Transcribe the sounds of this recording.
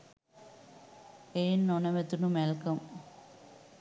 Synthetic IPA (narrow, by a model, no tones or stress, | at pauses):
eːnːonɐʋət̪unumɛlkɐm